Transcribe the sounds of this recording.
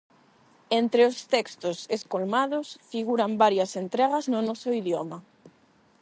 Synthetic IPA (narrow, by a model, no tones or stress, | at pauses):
ent̪ɾeost̪ɛkst̪oseskolmaðosfiɣuɾambaɾjɐsent̪ɾɛɣ̞ɐznʊnɔsoiðjɔma